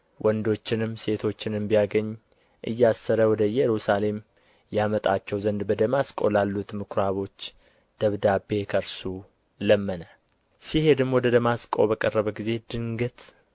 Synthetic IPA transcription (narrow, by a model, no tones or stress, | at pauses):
wʔɔnd̪o̞t͡ʃːɪnɨmːse̞t̪ʰo̞t͡ʃːɪnɨmbijaɡəɲː | ʔɨ̰jːasːəɾəwɔd̪əjːɛɾusale̞m | jamət̪ʼat͡ʃːɛwzənd̪bəd̪əmaskʼo̰lalːut̪mɨkʰɾaβo̞t͡ʃː | d̪̥əβd̪abe̞kʰəɾsu | ləmːənə | sihe̞d̪ɨmowɔd̪əd̪əmaskʼo̞̰bəkʼərːəβəɡize̞d̪̥ɨŋɡɨt̪